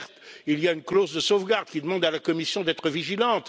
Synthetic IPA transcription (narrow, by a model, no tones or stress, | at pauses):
ʁt̪ilijaynklozd̪əsovɡaʁd̪kʲid̪əmɑ̃d̪alakɔmisjɔ̃d̪ɛt̪χəviʒilɑ̃t̪